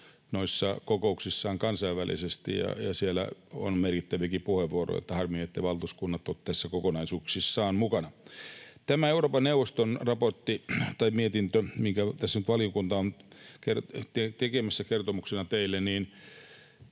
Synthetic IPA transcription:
noisːɑkokouksisːɑːŋkɑnsɑiʋʋælḭsest̪ḭjɑ̰jɑsielæ̰o̰nmerkit̪ːæʋikipuheʋːuoro̰jo̰t̪ːæhɑrmiet̪ːeiʋɑlt̪uskunːɑt̪ːot̪t̪æsːækokonɑisuːksisːɑːnmukɑnɑt̪æmæeuroːpɑnneuʋˑost̪onrɑport̪ːit̪ɑimiet̪int̪ømiŋkæt̪æsːænyt̪ʋɑliokunt̪ɑonkert̪et̪ekemæsːækert̪omuksenɑt̪eilːenniːn

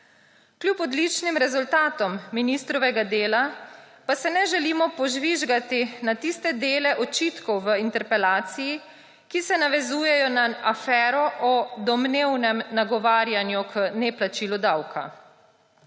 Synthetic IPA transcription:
klʲupɔd̪lit͡ʃnimɾɛzult̪aːt̪ɔmːinist̪ɾɔʋɛɡad̪eːla | pasɛnɛʒɛliːmɔpɔʒʋiʒɡat̪inat̪ist̪ɛd̪eːlɛʔɔt͡ʃiːt̪kɔwʋəint̪ɛɾpɛlaːt̪siji | kisɛnaʋɛzuːjɛjɔnaafɛːɾɔʔɔd̪ɔmneːwnɛmnaɡɔʋaːɾjanjukənɛplat͡ʃilud̪awkʰa̰

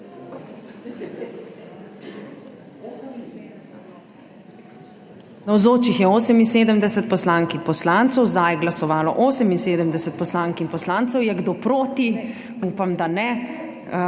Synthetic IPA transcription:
nɐwzoːt͡ʃixjɛoːsəminseːd̪əmd̪ɛsət̪̚pɔslaːŋkipɔslant̪sɔwzd̪ajɛɡlɐsɔʋaːlɔ̰ʔoːsəminseːd̪əmd̪ɛsət̪̚pɔslaŋkinpɔslaːnt̪sɔwjɛɡd̪opɾoːt̪i | uːpamd̪anɛ

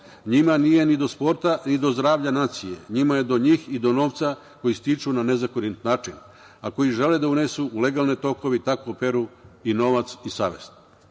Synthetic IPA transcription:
ɲimanije̞nid̪o̞spo̞ɾt̪anid̪o̞zd̪ɾaːʋʎanaːt̪sije̞̰ɲimaje̞d̪oɲiːxid̪o̞no̞ːʋt̪sa | ko̞jist̪it͡ʃunane̞zakoɾint̪naːt͡ʃin | ako̞jiʒe̞led̪aunesuːle̞ɡaːlˠnet̪o̞ko̞ʋit̪akope̞ɾuino̞ʋat̪sisaːʋḛst̪

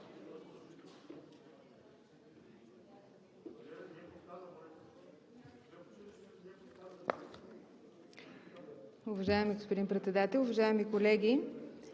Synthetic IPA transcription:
ʊvɐʒaɛmiɡospod̪inmpɾɛt̪sɛd̪at̪ɛlʲˠʊvɐʒaɛmikolɛɡʲi

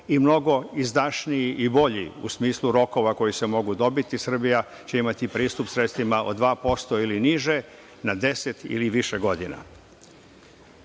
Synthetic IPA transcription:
imno̞ɡo̞izd̪aʃnijiʔibo̞ʎḭṵsmiːslˠuɾo̞ko̞ʋako̞jise̞mo̞ɡud̪o̞bit̪isr̩bija | t͡ɕe̞imat̪ipɾiːst̪upsɾet̪st̪ʋimaʔo̞̰d̪ʋaːpo̞st̪o̞iliniʒe̞ | nad̪e̞set̪ḭliʋiʃeɡo̞d̪ina̰

